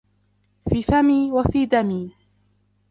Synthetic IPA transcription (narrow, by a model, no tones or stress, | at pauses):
fiːfamiːwafiːd̪amiː